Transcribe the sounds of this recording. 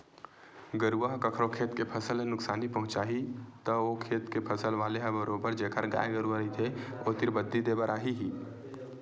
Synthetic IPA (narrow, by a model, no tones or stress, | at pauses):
ɡəɾuʋəɦkəkʰɾokʰeːt̪kepʰəsəlẽnʊksaːnipəɦʊ̃t͡ʃaːɦit̪əokʰeːt̪kepʰəsəlʋaːleɦə̃bəɾoːbəɾd͡ʒeːkʰəɾɡa̰ːeɡəɾuəɾəit̪ʰeot̪iɾbəd̪ʱːid̪eːbəɾʔaːɦiɦiː